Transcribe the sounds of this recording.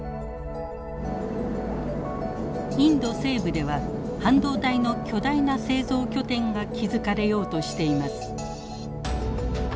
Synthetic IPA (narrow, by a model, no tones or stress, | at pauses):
ĩnd̪o̞se̞ːbɯ̟d̪e̞βa | hãnd̪o̞ːd̪aino̞kʲʰo̞d̪ainase̞ːzo̞ːkʲo̞t̪ẽ̞ŋɡakʲizɨkaɾe̞jo̞ːt̪o̞ɕi̥t̪e̞imasɨ̥